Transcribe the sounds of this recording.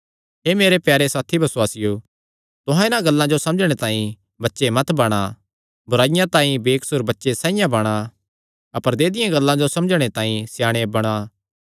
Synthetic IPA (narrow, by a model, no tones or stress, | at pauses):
ɦeːmeːɾepjɛːɾesaːt̪ʰibʱɐsʊwaːsɪjo | t̪ʊɦãɪnãɡɐlːãd͡ʒosɐ̃md͡ʒɽ̃et̪ãːĩ | bɐtːʃemɐt̪bɐɽ̃a | bʊɾaːɪjãt̪ãːĩbeːksʊɾbɐtːʃesãːɪjãbɐɽ̃a | ɐpəɾd̪eːd̪ɪjãɡɐlːãd͡ʒosɐmd͡ʒɽ̃et̪ãːĩsjaːɽ̃ebɐɽ̃a